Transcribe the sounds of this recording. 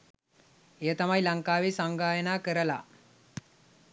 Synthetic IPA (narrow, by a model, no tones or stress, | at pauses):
eət̪amajlɐŋkaːʋeːsaŋɡaːjənaːkəɾəla̰